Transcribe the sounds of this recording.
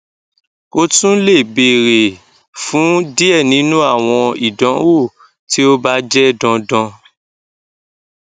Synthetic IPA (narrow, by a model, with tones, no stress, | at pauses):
o˦tũ˦le˦˨be˨ɾe˨ | fũ˨˦di˦ɛ˦˨nĩ˨˦nũ˦a˦˨w̃ɔ̃˧i˨dɔ̃˨˦wo˦˨ | ti˦o˦ba˦d͡ʒɛ˦dɔ̃˧dɔ̃˧